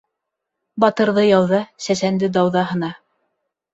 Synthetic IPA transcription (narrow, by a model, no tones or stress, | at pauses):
bɑt̪ɤ̆ɾðɤjɑwðɑsæsænd̪ɘd̪ɑwðɑɦɤ̆nɑ